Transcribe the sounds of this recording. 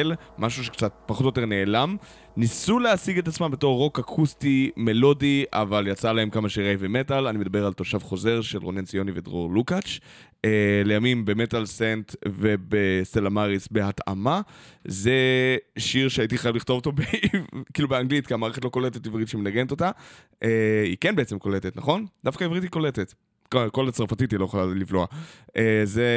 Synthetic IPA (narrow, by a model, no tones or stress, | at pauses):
l | maʃuʃekt͡sat̚paχotjot̪̬e̞ʁne̞ːlam | nisuleasiɡet̪at͡smambe̞t̪o̞ʁːo̞kakʰustime̞lo̞diʔa̰valjat͡salaemkamaʃiʁejvemetalanimed̪abe̞ʁalt̪o̞ʃavχo̞ze̞ʁʃelʁonensijo̞nivedʁoʁlukat͡ʃ | elejamimbe̞metalsentve̞beselamaʁisbehata̰mazeʃiʁʃeaitiχajavliχto̞voto̞bekiːlubeaŋɡlitkiamaːʁeet̬lo̞ko̞letetivʁitʃemenaɡeneto̞ta | ʔeikenbeet͡semko̞letetnaχo̞nd̥̪afkaivʁithiko̞letet | kokolat͡sʁfatitilojeχlalivloaʔeze